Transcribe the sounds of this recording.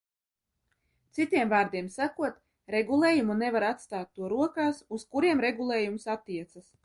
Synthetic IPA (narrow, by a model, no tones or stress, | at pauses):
t̪sit̪iɛmvaːɾd̪iɛmsakuɔt̪ | ɾɛɡulˠeːjumunevaɾat̪st̪aːt̪ːuɔɾuɔkaːsuskuɾiɛmɾeɡulˠeːjumsat̪ːiɛt̪sas